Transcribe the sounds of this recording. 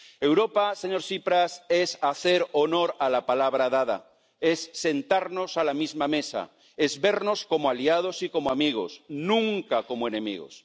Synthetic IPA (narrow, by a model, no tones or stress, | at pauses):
e̞wɾo̞paseɲo̞ɾsipɾase̞saθe̞ɾono̞ɾalapalaβɾaðað̞a̰ | e̞sːe̞nt̪aɾno̞salamizmame̞sa̰ | e̞zβe̞ɾno̞sko̞moaliað̞o̞siko̞moamiɣ̞o̞̰snũŋkako̞moe̞nẽ̞mḭɣo̰s